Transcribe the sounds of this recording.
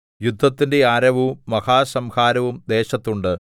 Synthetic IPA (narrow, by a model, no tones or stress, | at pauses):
jud̪ʱːɐt̪ːinde̞aːɾɐʋumːɐhaːsɐmhaːɾɐʋumd̪e̞ːɕɐt̪ːuɳɖɨ